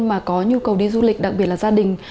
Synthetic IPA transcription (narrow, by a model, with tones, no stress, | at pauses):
maː˨˩kɔ˨˦ɲu˧kə˨˩wɗi˧zu˧lï˨˩k̟ɗa˨˩k̚ɓi˨˩ət̚laː˨˩zaː˧ɗï˨˩ŋ̟